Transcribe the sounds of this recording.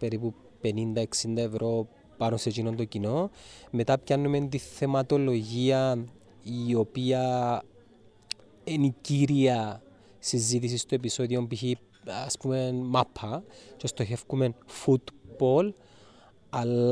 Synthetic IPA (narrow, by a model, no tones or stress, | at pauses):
pe̞ɾipu | pe̞nind̪ɐe̞ksind̪ɐe̞vɾʔo̞ | pɐnoset͡ʃino̞nt̪o̞cino̞me̞t̪ɐpcɐnːume̞nt̪iθe̞mɐt̪o̞lo̞ʝiɐ | io̞piɐ | eniciɾiɐ | sizit̪is̬ist̪oe̞p̬iso̞ðio̞mpiçi | ɐspume̞mapʰːɐt͡ʃe̞st̪o̞çe̞fkume̞nfut̪bo̞l | ɐl